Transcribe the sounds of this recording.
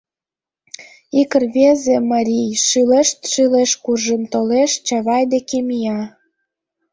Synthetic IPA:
ikərβezemɑɾʲijʃyleʃt̪ʃileʃkurʒəmt̪oleʃt͡ɕɑβɑjd̪ekemijɑ

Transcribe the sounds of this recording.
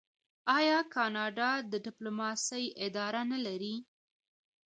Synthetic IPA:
ɑjɑkɑnɑɖɑd̪əɖɪplomɑsəjɪd̪ɑɾanalaɾi

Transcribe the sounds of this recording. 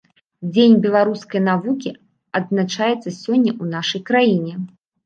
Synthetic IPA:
d͡zʲenʲbʲɛlˠaɾuskɐjnavukʲi | ɐd̪znat͡ʂajɛt̪sːɐsʲɔnʲːɐʔunaʂɐjkɾajinʲɛ

